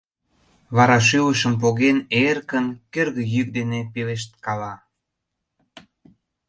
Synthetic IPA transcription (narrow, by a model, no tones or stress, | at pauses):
βɑɾɑʃ̬yləʃə̆mp̬oɣenerkənkerɣə̆jyk̚d̪enepeleʃt̪̚kɑlɑ